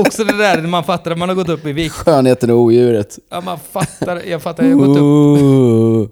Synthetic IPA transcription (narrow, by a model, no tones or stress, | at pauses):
ɔksɔd̪ɛd̪æɾmanfat̪ːaɾmanhaɾɡɔt̪ːɵpːɪviːɧøːnheːt̪ənɔuːjʉ̟ːɾət̪ːmanfat̪ːaɾjɑːɡfat̪ːaɾaɾɡɔt̪ː